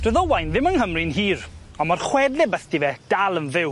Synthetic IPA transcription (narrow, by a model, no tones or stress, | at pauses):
d̥əðɔwajnðɪmənɦəmrinɦiːr | ɔmarχwɛdlɛbəθdivɛd̥alˠənvɪw